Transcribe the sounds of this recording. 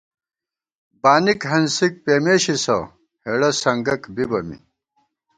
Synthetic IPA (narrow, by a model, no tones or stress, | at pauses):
baːnikɦɐnsik̚peːmeːɕisɐ̰ | heɽɐsɐŋɡɐkbibɐmḭ